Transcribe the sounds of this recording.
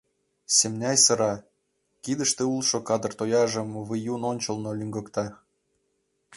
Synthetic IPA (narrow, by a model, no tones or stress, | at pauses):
semnʲæjsɤ̆ɾɑ | kid̪ə̆ʃt̪ĕulˠʃŏkɑd̪ɤ̆rt̪ojɑʒɤ̆mβɨjunonʲt͡ɕɤ̆lˠnŏlʲyŋɡɤ̆kt̪ɑ